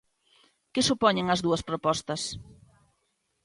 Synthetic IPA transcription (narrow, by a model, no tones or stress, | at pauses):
kɪsupɔɲeŋɐzðuɐspɾopɔst̪ɐs